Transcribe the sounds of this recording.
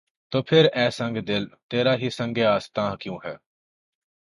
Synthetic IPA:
t̪oːpʰɪɾɛːsə̃ŋɡd̪ɪlt̪eːɾaɦisə̃ŋɡeaːst̪ãːɦkjõːɦɛː

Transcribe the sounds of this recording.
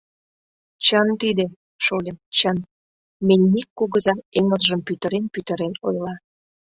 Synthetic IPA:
t͡ɕənt̪id̪e | ʃolʲemt͡ɕən | menʲːikːoɣəzɑeŋəlʒəmpyt̪ə̆ɾenpyt̪ə̆ɾenojlɑ

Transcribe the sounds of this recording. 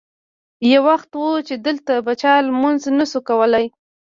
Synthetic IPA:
jawaxt̪wut͡ʃed̪əlt̪abat͡ʃɑlmʊnznasukawəlaj

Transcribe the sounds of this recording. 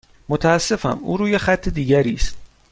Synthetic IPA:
mot̪ʰæːsːe̞fæ̰mʔṵːɾuːjexæt̪ʰːed̪iːɟæɾiːst̪

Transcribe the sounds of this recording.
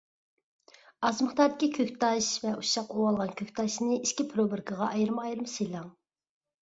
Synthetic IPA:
ɑzməχt̪ɑɾd̪ɪkʲikʲʰøkʲt̪ʰɑʃvɛuʃɑqowɑlˠʁɑnkʲʰøkʲt̪ʰɑʃnɨiʃkʲipʰɾobɨɾkʰəʁɑʔɑjɾɨmɑjɾɨmselˠɑŋ

